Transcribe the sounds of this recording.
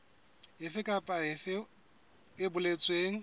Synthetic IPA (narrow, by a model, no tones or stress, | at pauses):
ɦɪfɪkʼapʼaɪfɪ | ɪbʊlet͡sʼweːŋ̩